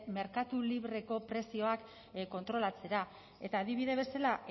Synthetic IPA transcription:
me̞ɾkat̪uliβɾe̞ko̞pɾe̞sio̞ak | ko̞nt̪ɾo̞lat͡se̞ɾa | e̞t̪aːðiβiðe̞zβe̞salaʔ

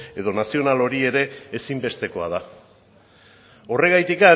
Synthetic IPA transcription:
e̞ð̞o̞nasio̞nalo̞ɾie̞ɾe̞ːsimbe̞st̪e̞ko̞að̞a | o̞re̞ɣajt̪ika

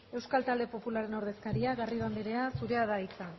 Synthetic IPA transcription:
e̞wskalt̪ald̪e̞po̞pulaɾe̞no̞ɾð̞e̞skaɾiaɣariðoand̪iɾe̞asuɾe̞aðait͡san

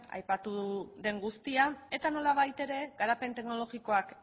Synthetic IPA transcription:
a̰jpat̪uðe̞ŋɡust̪iae̞t̪ano̞laβ̞ajt̪e̞ɾe̞ɣaɾape̞nt̪e̞ɡno̞lo̞ɣiko̞ak

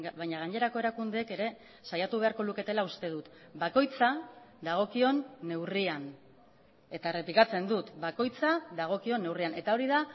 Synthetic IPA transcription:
βajɲaɣ̞aɲe̞ɾako̞e̞ɾakund̪e̞ːke̞ɾe̞ | sajat̪uβ̞e̞aɾko̞luke̞t̪e̞laust̪e̞ð̞ut̪bako̞jt͡saðaɣ̞o̞kio̞nːe̞wrian | e̞t̪aere̞plikat͡se̞nd̪ut̪bako̞jt͡saðaɣ̞o̞kio̞nːe̞wriane̞t̪ao̞ɾiða

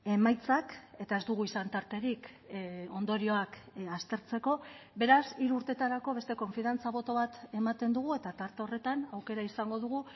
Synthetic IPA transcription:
e̞majt͡sake̞t̪ae̞zd̪uɣ̞uisant̪aɾt̪e̞ɾik | o̞nd̪o̞ɾio̞akast̪e̞ɾt͡se̞ko̞be̞ɾasiɾuːɾt̪e̞t̪aɾako̞βe̞st̪e̞ko̞ɱfiðant͡saβ̞o̞t̪o̞β̞at̪e̞mat̪e̞nd̪uɣ̞ue̞t̪at̪aɾt̪eo̞re̞t̪anawke̞ɾaisaŋɡo̞ðuɣ̞u

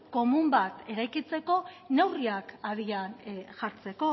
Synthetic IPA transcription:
ko̞mumbat̪e̞ɾajkit͡se̞ko̞ne̞wriakað̞ianʝaɾt͡se̞ko̞

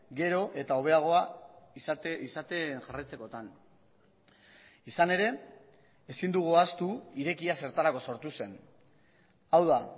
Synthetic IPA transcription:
ɡe̞ɾo̞ʔe̞t̪ao̞β̞e̞aɣ̞o̞a | isat̪enʝarajt͡se̞ko̞t̪an | isane̞ɾe̞ː | sind̪uɣ̞uast̪uiɾe̞kiase̞ɾt̪aɾako̞so̞ɾt̪use̞n | awða

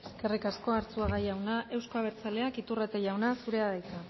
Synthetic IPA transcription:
eske̞rikasko̞aɾt͡suaɣajawnaʔe̞wskoaβ̞e̞ɾt͡sale̞akit̪urat̪eʝawnasuɾe̞aðajk̪a

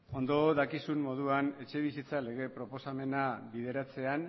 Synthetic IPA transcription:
o̞nd̪o̞ðakisumːo̞ð̞uane̞t͡ʃe̞β̞isit͡sale̞ɣ̞e̞pɾo̞po̞same̞naβið̞e̞ɾat͡se̞an

